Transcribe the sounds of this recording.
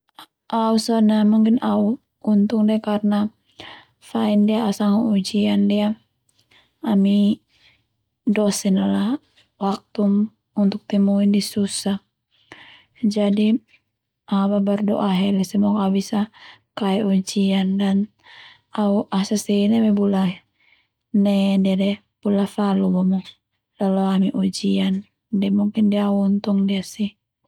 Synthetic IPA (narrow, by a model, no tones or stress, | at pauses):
ʔausanamuŋkinau | unt̪uŋdiakarna | faindiaːsaŋuud͡ʒiandia | ami | dɔsɛnala | wak̚t̪um | unt̪ʊk̚t̪imuindisusah | d͡ʒadi | ababardɔ̰ʔaɦɛlɛsɛmɔkabisakaɛʔud͡ʒiandan | auʔasasɛinɛmɛbula | nɛdiadɛ | b̥ulafalubɔmɔ | lalɔamiʔud͡ʒian | dɛmuŋkindiaunt̪ɔŋdiasi